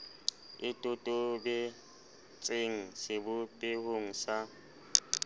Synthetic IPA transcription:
ɪtʼutʼʊbɛ | t͡sʼeŋ̩sɪbʊpʼehoŋ̩sa

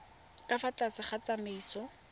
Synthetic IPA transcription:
kʼafat͡ɬasɪχat͡sameiːsɔ

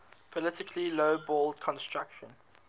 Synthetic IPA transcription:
pʰɔlɪtɪkʰliloʊbɔːldkʰɔ̃nstɹ̥akʃə̃n

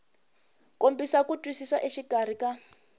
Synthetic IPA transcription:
kombisakutʼwisisaʔeʃiɡar̤ika

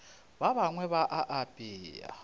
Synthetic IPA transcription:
βaβaŋwɛβaʔaʔapʼiːja̰

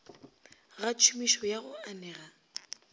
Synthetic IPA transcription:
ɣat͡ʃʰumiʃɔjaɣʊanɛːɣa

